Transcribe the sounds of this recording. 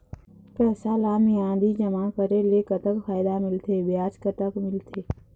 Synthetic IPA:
pɛːsalaːmjãːd̪id͡ʒəmãːkəɾeleːkət̪əkfaːjɪd̪amɪlt̪ʰeːbjaːt͡ʃkət̪əkmɪlt̪ʰeː

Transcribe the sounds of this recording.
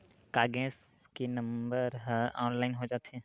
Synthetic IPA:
kaːɡɛ̃ːs | kenɐmbəɾɦa̰ːnlaːɪnɦod͡ʒaːt̪ɛ̃ː

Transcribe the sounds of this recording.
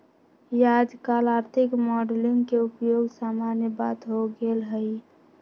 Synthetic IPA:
jad͡ʒkalaːɾt̪ʰɪkmɔɖlɪŋɡkeupjoɡsaːmanjəbat̪ɦoɡelɦəi

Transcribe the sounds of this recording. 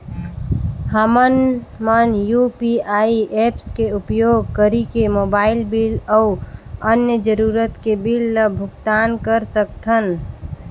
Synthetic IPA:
həmənmənjupiaːiʔepskeupjoːɡ̚kəɾikemoːbaːɪlbiləuənjəd͡ʒəɾuːɾət̪kebilːəbʱʊkt̪aːnkəɾsək̚t̪ʰən

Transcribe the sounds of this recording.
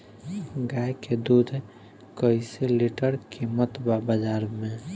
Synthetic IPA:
ɡajked̪ud̪ʱ | kəɪseliʈəɾkimət̪babəd͡ʒaɾmẽ

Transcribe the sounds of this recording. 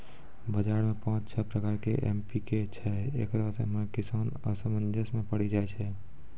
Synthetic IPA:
bəd͡ʒaːɾmẽpãːt͡ʃt͡ʃʰəpɾəkaːɾkḛʔḛmpiket͡ʃʰɛḛːkɾəɦsḛmɛkɪsaːnə̰səmənd͡ʒʱəsmẽpəɽid͡ʒaːɛt͡ʃʰɛ

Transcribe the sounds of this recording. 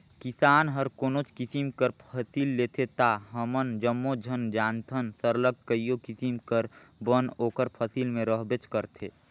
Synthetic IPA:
kisaːnɦəɾkoːnot͡ʃkisimkəɾpʰəsiːlːeːt̪ʰet̪aɦəmənd͡ʒəmːod͡ʒʱənd͡ʒaːnt̪ʰənsəɾləɡ̚kəijokisimkəɾbənoːkəɾpʰəsiːlmẽɾəɦbet͡ʃkəɾt̪ʰeː

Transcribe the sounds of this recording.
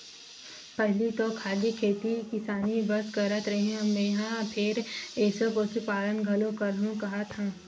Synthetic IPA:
pɛɦlit̪okʰaːlikʰeːt̪ikɪsaːnibɐɾskəɾət̪ɾɐɦeĩmẽɦãpʰɪɾeːsəposupaːlənɡʱɐlokɐlɦũkɐɦat̪ʰãː

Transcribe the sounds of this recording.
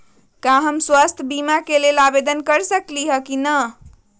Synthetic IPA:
kãɦəmswast̪ʰbimakelelabed̪ənkəɾsəkliɦəkinə

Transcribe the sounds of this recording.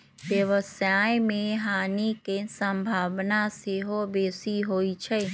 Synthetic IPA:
ʋjəʋəsajmẽɦaːnikesə̃mbʱaːʋnaseɦobeːsiɦoːit͡ʃʰɛ

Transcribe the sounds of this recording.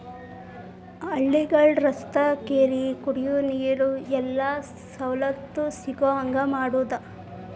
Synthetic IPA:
ɐɭːiɡɐɭɾɐst̪ɐkeːɾikuɽijuniːjɐɾuɛlːa | sɐwlɐt̪ːusiɡoɐŋɡɐmaːɽuːd̪ɐ

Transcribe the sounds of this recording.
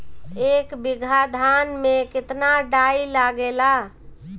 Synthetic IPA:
eːkbɪɡʱad̪ʱanmẽkɪt̪naɖailaɡela

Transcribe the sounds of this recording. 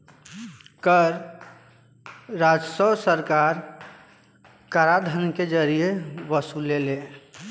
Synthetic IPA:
kəɾ | ɾad͡ʒsəbsəɾkaɾ | kaɾad̪ʱənked͡ʒəɾijeʋəsulele

